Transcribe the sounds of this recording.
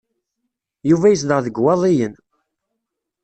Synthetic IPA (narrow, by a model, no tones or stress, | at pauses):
juvæjəs̬ðəʁðəɡwɑðˤijən